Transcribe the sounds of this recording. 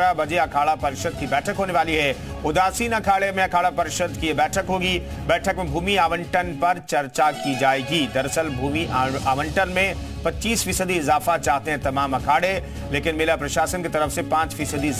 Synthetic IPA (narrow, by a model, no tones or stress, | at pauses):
abɐd͡ʒeɐkʰaːɭapɐɾɪʃəd̪̚kibɛːʈʰəkɦoːneʋaːliɦɛː | ʊd̪aːsiːnɐkʰaːɽemẽɐkʰaːɽapɐɾɪʃəd̪ʱkiebɛːʈʰəkɦoːɡi | bɛːʈʰəkmẽbʱuːmiaːʋə̃ɳʈənpɐɾt͡ʃɐɾt͡ʃakid͡ʒaːeːɡid̪ɐɾsəlbʱuːmiʔaːʋə̃ɳʈənmẽ | pɐtːʃiːsfiːsəd̪iɪzaːfat͡ʃaːɦt̪eɦɛ̃t̪ɐmaːmɐkʰaːɽe | leːkɪnmeːlapɾɐʃaːsənket̪ɐɾəfsepãːt͡ʃfiːsəd̪i